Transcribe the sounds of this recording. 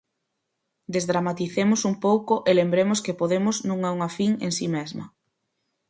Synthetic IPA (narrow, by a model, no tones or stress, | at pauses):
d̪ezðɾamat̪iθemʊsumpowkʊʔelembɾemʊskepoðemʊznũŋɛuŋafiŋḛŋsimezmɐ̰